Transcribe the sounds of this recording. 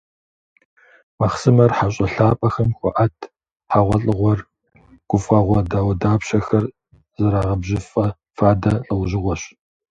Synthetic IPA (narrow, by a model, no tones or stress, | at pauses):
mɐχsɨmɐrħaɕʼɐɬaːpʼɐxɐmxʷɔ̰ʔɐtʰ | ħaʁʷɔɬʼɨʁʷɔr | ɡ̥ʷʊfʁɐʁʷɔdaːwɐdaːpɕɐxɐr | zɐɾaːʁɐbʑɪfʼɐ | faːdɐɬʼɨwʑɪʁʷɔɕ